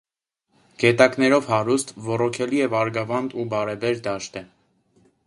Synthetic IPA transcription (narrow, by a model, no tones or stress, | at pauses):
ɡ̥ɛt̪ɑknɛɾɔvhɑɾust̪vɔrɔkʰɛliɛvɑɾɡɑvɑnd̪ubɑɾɛbɛɾd̪ɑʃt̪ɛ